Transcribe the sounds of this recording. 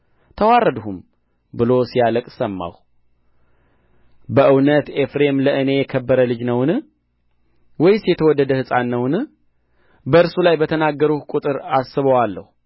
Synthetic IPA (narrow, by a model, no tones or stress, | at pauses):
t̪ʰəwarːəd̪hum | bɨlo̞sijaləkʼsəmːa̰w | bəʔɨwnət̪efɾe̞mləʔɨne̞jɛkʰəbːəɾəlɨd͡ʒnəwnɨ | wɔjsijɛt̪ʰəwɔd̪ːəd̪əhɨsʼanːəwnɨ | bəɨɾsulajbət̪ʰənaɡːəɾuhkʷʼut̪ʼɨɾasːɨβəwalːəhu